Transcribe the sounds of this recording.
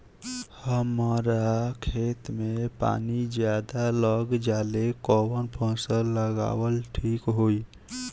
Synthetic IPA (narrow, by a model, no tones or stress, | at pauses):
həməɾakʰet̪mepa̰nid͡ʒjad̪aləɡd͡ʒalekɔwənpə̃səːəɡa̰wəlʈʰikɦoi